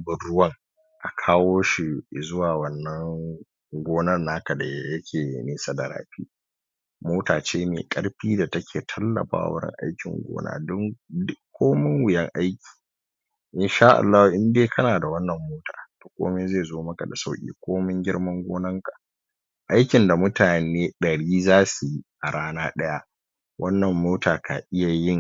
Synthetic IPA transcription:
bɪ˨ɽʊ˦wɐ˦ŋ | ʔa˨kʰaː˦woː˦ʃi˨zʊ˦waː˨wɐ˦˨nːɐ˦ŋ | ɡʷoː˦nɐ˦rːaː˦kɐ˨da˨jjɐ˦kʲʰeː˨neː˦sa˦dɐ˨ɾa̰ː˦ɸḭː˦ | moː˦taː˨t͡ʃeː˦mḛ˨kʼɐ˦ɽɸiː˦da˨tɐ˦kʲʰeː˨tʰɐ˦lːɐ̰˨ɸa̰ː˦w̰wɐ̰˦ɾɪ̰˦ŋʔa̰˦jkʲɪ̰˨ŋɡʷo̰ː˦na̰ː˦dʊ˦ŋdɪ˦kkʷːoː˦mɪ˦ŋwɪ˨jɐ˦ŋʔa˦jkʲi̥ː˨ | ʔɪ˦nʃaː˦ʔa̰˨lːaː˦hu˨ʔɪ˦ndeː˦kʰɐ˦naː˨da˨wɐ˦nːɐ˨mːoː˦taː˨toː˨kʷo̰ː˦me˦ze˦˨zoː˦mɐ˦ka˨da˨sa˦wkʲʼḭː˦kʷoː˦mɪ˦ŋɡʲɪ˦ɽmɐ˦ŋɡʷoː˦nɐ˦ŋka˨ | ʔa˦jkʲɪ˨nda˨mʊ˦taː˨neː˦ɗɐ˨ɽiː˦zaː˦su˨ji˦ʔa˨ɽaː˦naː˦ɗɐ˦ja˦ʔ | wʔɐ˦nːɐ˨mːoː˦taː˨ka̰˨ʔɪ˦ja˨jɪ˦ŋ

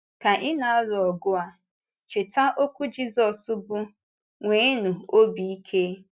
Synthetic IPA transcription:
ka˨ʔɪ˦na˨a˦lʊ˨ɔ˨ɡʊ˦a˨ | t͡ʃɪ˨ta˦ʔo˦kʷu˦d͡ʒi˦zɔ˨sʊ˦bʊ˦ | ŋʷe˨˦nu˨o˦bi˨i˦kʰe˦

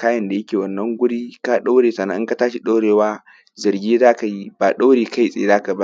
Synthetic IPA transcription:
kaː˦jɐ˨nda˨jɐ˦kʲeː˨wɐ˨nːɐ˦ŋɡʷʊ˦ɽiː˦ka˦ɗa˦wɽeː˨sɐ˨na˦ʔɪ˦ka˨˦taː˦ʃi˦ɗa˦ɽeː˨waː˦ | zɐ˨rɡʲiː˦zaː˦ka˨ji˦baː˨ɗa˦ɽeː˨ka˦ji˨sʼḛː˨zaː˦ka˨ba˦

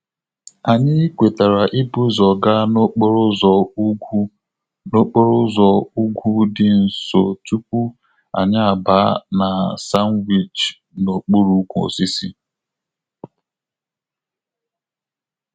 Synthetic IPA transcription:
a˨ɲɪ˦kʷe˨ta˨ɾa˨ʔɪ˦bu˦zɔ˨ɡa˦no˦k͡pɾz | no˦k͡po˦ɾʊ˦zɔ˨u˦ɡʷu˦dɪ˨n̩˨so˨tu˦p̚u˦ | a̰˨ɲa˦a˨ba˦na˨sa˦n˦wi˨t͡ʃ | no˨k͡pu˦ɾu˦kʷo̰˨si˦sḭ˦

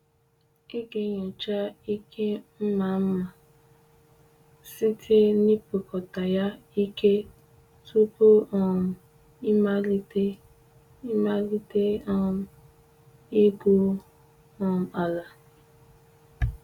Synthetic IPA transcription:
i˦ɡe˨ɲɔ˨t͡ʃa˦i˦kʰe˦m̩˦ma˨˦m̩˦ma˨ | si˦tʰe˦ni˦pu˨kɔ˨ta˨ja˦ | i˦ke˦ | tu˦po˦ɔ˨m̩˨ | i˦ma˦li˦te˦ | i˦ma˦li˦te˦ɔ˦m̩˨ | i˦ɡu˦ | ɔ˨m̩˨a˨la˨

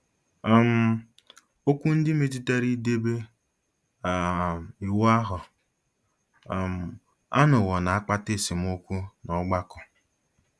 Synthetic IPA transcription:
m̩˦ | o˦kʷu˦n̩˦dɪ˦me˦t̬i˦te˦ɾi˦de˦be˦˨ | i˨wa˦ɦʊ˨ | m̩˨ | a̰˦nʊ˨ɣɔ˨na˨a˦k͡pa˦te˦˨si˨m˦o˦kʷu˦nɔ˦ɡ͡ba˦kɔ˨

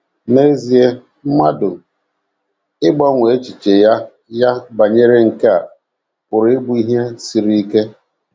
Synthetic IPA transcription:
ne˦zi˨e˦ | m̩˦ma˦dʊ˨ | ɪ˦ɡ͡bɔ˦ŋʷe˨˦t͡ʃi˨t͡ʃe˨ja˦ | ja˦ba˨ɲe˦ɾe˦ŋ̩˨ka˦a˨ | pʊ˨ɾɪ˦ɡ͡bu˦i˦ɦe˦si˨ɾi˦i˦ke˦

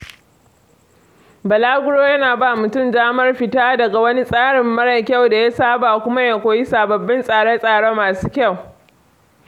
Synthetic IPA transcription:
bɐ˨laː˦ɡʷʊ˦ɽoː˦jɐ˦naː˨ba˦˨mʊ˨tʊ˦˨mdaː˦mɐ˦rɸɪ˨taː˦dɐ˨ɡa˨wɐ˦ni˦sʼaː˦ɽɪ˨mːɐ˦ɽɐ˨kʲa˦˨wda˨ja˦saː˦baː˨kʷʊ˦ma˦ja˨kʷoː˨ji˦saː˨bɐ˨bːɪ˦nsʼaː˨ɽe˦sʼaː˨ɽoː˦maː˨suː˦kʲa˦˨w

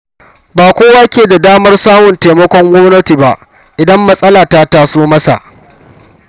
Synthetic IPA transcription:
baː˨kʷoː˦waː˦kʲeː˨da˨daː˦mɐ˦rsaː˦mʊ˨nteː˨mɐ˦kʷɔ˦ŋɡʷɔ˦mnɐ˦ti˨ba˦ʔ | ʔɪ˨dɐ˦mːɐ˦sʼɐ˦laː˨ta˦taː˦˨soː˦mɐ˦sa̰˨ʔ

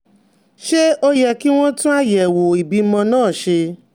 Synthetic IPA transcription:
ʃe˦o˧jɛ˧˨ki˦w̃ɔ̃˦tũ˦a˦jɛ˨wo˨i˨bi˨˦mɔ̃˧nãː˦˨ʃe˧

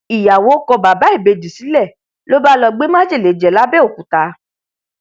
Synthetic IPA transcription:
i˨ja˨wo˨˦kɔ˧ba˨ba˨˦i˦˨be˧d͡ʒi˨si˨˦lɛ˦˨ | lo˦ba˦lɔ˧ɡ͡be˦mã˦d͡ʒi˦˨le˨˦d͡ʒɛ˨la˨˦bɛ˦o˦˨kũ˨˦ta˧

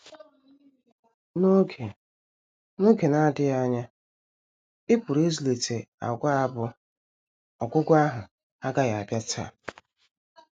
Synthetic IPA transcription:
no˦kʰe˨ | no˦ɡe˨na˦dɪ˦a˦ɲa˦ | ɪ˦pʊ˨ɾe˦zle˨te˨a̰˨ɡʷa˦a˦bʊ˦ | ɔ̰˨ɡʷʊ˦ɡʷʊ˦a˦ɦʊ˨ | a˦ɡa˦ɣa˨a˨bja˦tʰa̰˦˨

